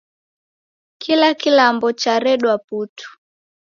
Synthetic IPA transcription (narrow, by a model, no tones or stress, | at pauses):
kilakilambɔt͡ʃaɾɛɗwaputu̥